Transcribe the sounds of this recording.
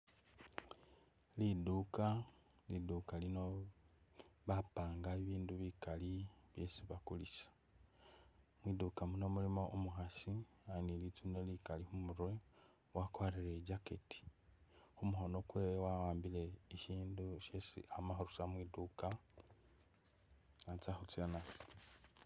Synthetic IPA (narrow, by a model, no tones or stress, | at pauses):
liduka | lidukalino̞ | βapaːŋɡaiβiːnduβikaliβje̞siβakulisḁ | mwidukamuno̞mulimo̞ʔumuxasi | anilit͡sunelikalixumuɾwe | wakwaɾeɾeɟaketi̥ | xumuxo̞no̞kwewawaːmbile̞iʃiːnduʃesḭamaxuɾusamwiduka | at͡saxut͡siana